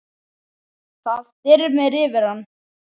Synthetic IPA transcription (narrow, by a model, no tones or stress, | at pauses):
θaðɛɾʏmɛɾɪvɪɾ̥hanː